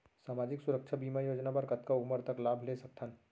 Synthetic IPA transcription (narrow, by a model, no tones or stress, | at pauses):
saːmaːd͡ʒɪksʊɾək̚t͡ʃʰabiːmajoːd͡ʒnapɐɾkɐt̪kaʊməɾt̪ɐklaːbʱlesɐk̚t̪ʰən